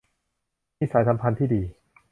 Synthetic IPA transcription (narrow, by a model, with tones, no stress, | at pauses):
miː˧˩saː˩˦jsa˨˦mpʰa˧nt̪ʰiː˥˩diː˧